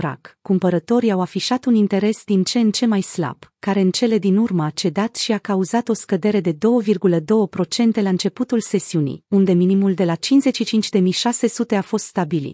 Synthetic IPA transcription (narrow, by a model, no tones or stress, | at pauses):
ɾa̰kkːumpəɾət̪o̞ɾiawafiʃat̪unint̪e̞ɾe̞sd̪int͡ʃe̞nt͡ʃe̞majsla̰b̥kaɾe̞ɨnt͡ʃe̞le̞d̪inurməat͡ʃe̞d̪at̪ʃiakauzat̪o̞skəd̪e̞ɾe̞d̪e̞d̪o̞wəvirɡuləd̪o̞wəpɾo̞t͡ʃe̞nt̪e̞laɨnt͡ʃe̞put̪ulse̞siunḭjund̪e̞minimuld̪e̞lat͡ʃinze̞tʃit͡ʃint͡ʃʲd̪e̞mijʃase̞sut̪e̞afo̞st̪st̪abilḭt̪